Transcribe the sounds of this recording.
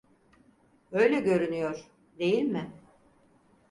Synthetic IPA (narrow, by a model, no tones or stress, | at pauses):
ø̞jlʲɛɟø̞ɾynyjo̞ɾ̥ | d̪e̞jilʲmɪ